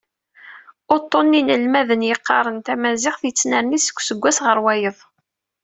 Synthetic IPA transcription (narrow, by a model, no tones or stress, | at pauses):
ʊt̪ˤːonːinəlmæðənjəqːɑ̰ɾˤənt̪æmæzɪχθjət͡sːnəɾnisə̥kʷːsəɡʷːæsʁəɾwæjəðˤ